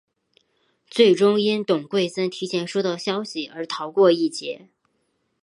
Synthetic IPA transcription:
t͡swe˥˩ɪʈ͡ʂʊ˥ŋi˥nt̪ʊ˨˩ŋkwe˥˩ɪsə˥nt̪ʰi˧˥t͡ɕʰjɛ˧˥nʂu˥t̪ə˥˧ɕjɑ˥ʊɕi˨ə˞˧˥t̪ʰɑ˧˥ʊkwɔ˥˧i˥˩t͡ɕjɛ˧˥

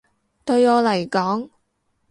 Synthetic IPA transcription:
t̪ɵ˧ɥɔː˨˧lɐ˨˩jkɔː˨˥ŋ

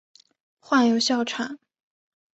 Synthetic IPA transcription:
xwa˥˩njo˨˧˥ʊɕjɑ˥˩ʊʈ͡ʂʰa˨˩˦n

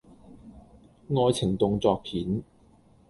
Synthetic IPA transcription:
ŋɔː˧jt͡sʰɪ˨˩ŋt̪ʊ˨˧ŋt͡sɔː˨˧k̚pʰiː˨˥n

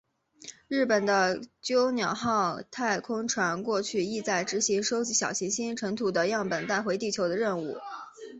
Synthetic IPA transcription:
ɻ̩˥˩pə˨˩nd̪ə˦t͡ɕjo˥ʊnjɑ˨˩ʊxɑ˥˧ʊt̪ʰa˥˩ɪkʰʊ˥ŋʈ͡ʂʰwa˧˥nkwɔ˥˧t͡ɕʰy˥˧i˥˧t͡sa˥˩ɪʈ͡ʂɻ̩˧˥ɕi˧˥ŋʂo˥ʊt͡ɕi˧˥ɕjɑ˨˩ʊɕi˧˥ŋɕi˥nʈ͡ʂʰɤ˧˥ŋt̪ʰu˨˩d̪ə˦jɑ˥˩ŋpə˨˩nt̪a˥˩ɪxwe˧˥ɪt̪i˥˩t͡ɕʰjo˧˥ʊd̪ə˧ɻə˥˧nu˥˩

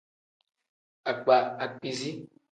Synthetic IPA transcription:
a˨k͡pa˨a˨k͡pi˨zi˦

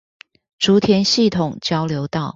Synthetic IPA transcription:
ʈ͡ʂu˧˥t̪ʰjɛ˧˥nɕi˥˩t̪ʰʊ˨˩ŋt͡ɕjɑ˥ʊljo˧˥ʊt̪ɑ˥˩ʊ

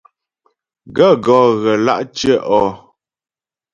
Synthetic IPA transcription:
ɡə˦˨ɡɔː˨˦ɣə˨la̰˦˨ʔt͡ʃə˦ʔɔ˦˨

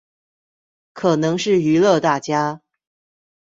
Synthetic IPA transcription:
kʰɤ˨˩nɤ˧˥ŋʂɻ̩˥˩y˧˥lɤ˥˧t̪a˥˩t͡ɕja˥

